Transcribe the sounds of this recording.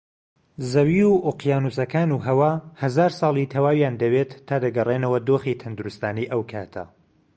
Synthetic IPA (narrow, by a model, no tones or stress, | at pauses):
zɐwiuʔoqjaːnusɐkaːnuːɦɐwaːhɐzaːɾsɑːlˠit̪ʰɐwaːwjaːnd̪ɐwet̪ʰːaːd̪ɐɡɐrenɐwɐd̪oːxiːt̪ʰɐnd̪uɾust̪aːniʔɐwkʰaːt̪ʰɐ̰